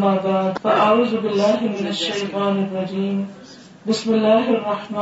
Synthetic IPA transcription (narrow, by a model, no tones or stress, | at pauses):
maːbaːd̪faʔauːzʊbɪlːaːɦɪmɪnaʃːajt̪ˤɑːnɪrˤːɑd͡ʒiːm | bɪsmɪlːaːɦrˤːɑħma